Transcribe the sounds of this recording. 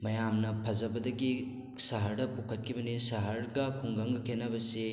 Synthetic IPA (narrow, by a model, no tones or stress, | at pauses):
mɐjamnɐpʰɐzɐbɐdɐɡi | saɦɐɾdɐpukʰɐt̚kʰibɐnisaɦɐɾɡɐkʰuŋɡɐŋɡɐkʰenɐbɐse